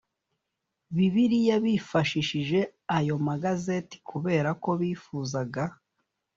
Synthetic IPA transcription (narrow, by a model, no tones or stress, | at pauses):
βiβiɾijaβifaʃiʃiʒe̞ajo̞maɡaze̞ti̥kʰuβe̞ːɾako̞βiːfuːzaɡa